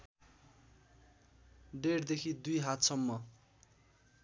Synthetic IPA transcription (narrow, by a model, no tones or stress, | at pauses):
ɖeɽd̪ekʰid̪ujɦat̪sʌmːʌ